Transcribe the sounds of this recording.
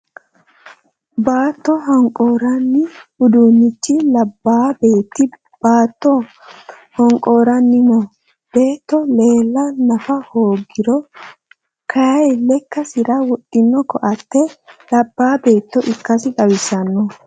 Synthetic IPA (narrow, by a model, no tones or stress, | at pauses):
baːt̪ːɔɦɐŋkʼoːɾɐnːɪʊd̪uːnːɪt͡ʃːɪlɐbːaːbe̞ːt̪ːɪ | b̥aːt̪ːɔ | hɔŋkʼo̞ːɾɐnːɪmɔ | b̥e̞ːt̪ːɔle̞ːlːɐnɐfɐhoːɡɪɾɔ | kʰɐjɐjlɛkːɐsɪɾɐwɔtʼːɪnːɔkɔʔɐt̪ːɛlɐbːaːbe̞ːt̪ːɔʔɪkːɐsɪᶑɐwɪsɐnːɔ